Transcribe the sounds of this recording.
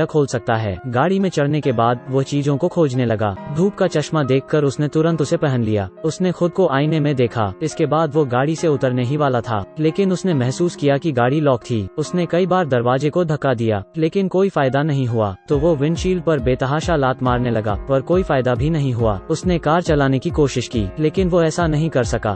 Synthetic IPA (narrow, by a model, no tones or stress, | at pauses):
akʰoːlsɐk̚t̪aɦɛ̰ːɡaːɽimẽt͡ʃɐɽnekebaːd̪̚ʋot͡ʃiːzõkokʰoːd͡ʒnelɐɡa̰ːd̪ʱuːpkat͡ʃɐʃmad̪eːkʰkɐɾʊsnet̪ʊɾə̃nt̪sepɛɦə̃nlija̰ːʊsnexʊd̪̚koʔaːinemẽd̪eːkʰa̰ːɪskebaːd̪ʋoɡaːɽiseʊt̪əɾneɦiʋaːlat̪ʰa̰ːleːkɪnʊsnemɛɦsuːskijakiɡaːɽilɔːk̚t̪ʰiːʊsnekɐibaːɾd̪ɐɾʋaːzekod̪ʱɐkːad̪ija̰ːleːkɪnkoːifaːjd̪anɐɦĩɦʊa̰ːt̪oʋoʋɪnʃiːlpɐɾbeːt̪ɐɦaːʃalaːt̪maːɾnelɐɡa̰ːɐɾkoːifaːɪd̪abʱinɐɦĩɦʊa̰ːʊsnekaːɾt͡ʃɐlaːnekikoːʃɪʃkḭːleːkɪnʋoɛːsanɐɦĩkɐɾsɐka̰ː